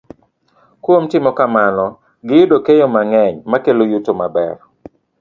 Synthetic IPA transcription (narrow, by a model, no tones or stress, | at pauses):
kwomtɪmɔkamanɔ | ɡɪjudokejomaŋɛɲmakelojutomabɛ̰r